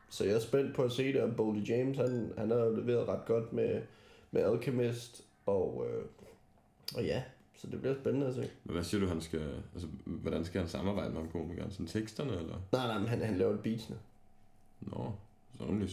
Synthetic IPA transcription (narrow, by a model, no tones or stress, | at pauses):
sɒ̽jɑ̈æsb̥en̰d̥̚pʰɒ̽æse̝̰ːd̥eɒb̥old̥ideɪmshænhænɑjo̝leʋe̝̰ːɐðˠʁɑ̈d̥ɡ̥ɒ̽d̥memeælkʰemesd̥ | ɒ̽ø | ɒ̽jæ | sɒ̽d̥e̝b̥liɐsb̥enənəæs̬e̝̰ːmenʋæsiɐɾ̥uɦænsɡ̥æælsəʋɒdɾ̥ænsɡ̥æhænsɑ̈mɑ̈ːb̥ɑ̈ɪd̥əmehænkʰo̰ːmiɡ̥ɐnsɔn̩t͡sʰeɡ̥sd̥ɐnəelɐnɑ̈ɪnɑ̈ɪmenɦænhænlɛːʊed̚b̥ḭːsnə | nɒ | sɔnli